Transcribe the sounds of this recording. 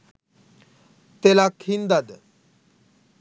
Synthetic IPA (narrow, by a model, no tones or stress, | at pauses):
t̪elakʰind̪ad̪